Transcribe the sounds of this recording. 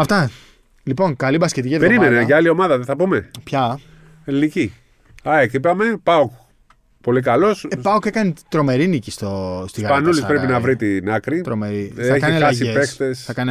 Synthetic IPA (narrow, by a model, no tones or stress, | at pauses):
ɐft̪ɐ | lipo̞ŋkɐlibɐskcet̪icieðpeɾimeneʝɐalio̞mɐðɐðeθɐpume̞pçɐ | elinici | ɐekipɐme̞pɐok | po̞likɐlo̞spɐokekɐnit̪ɾo̞me̞ɾinicist̪ost̪iɣɐɐnulispɾe̞pinɐvɾit̪inɐkɾit̪ɾomeɾiɐekɐnilɐsʝiepext̪esθɐkɐn